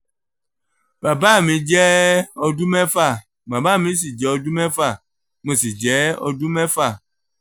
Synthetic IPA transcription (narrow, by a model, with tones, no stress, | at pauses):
ba˨ba˦˨mĩ˨d͡ʒɛ˦ɔ˨ɖu˦mɛ̃˦fa˦˨ | ba˨ba˦˨mĩ˨˦s̬i˨d͡ʒɛ˨ɔ˨du˦mɛ̃˦fa˦˨ | mẽ˨si˨d͡ʒɛ˨˦ɔ̰˦du˦mɛ̃˦fa˦˨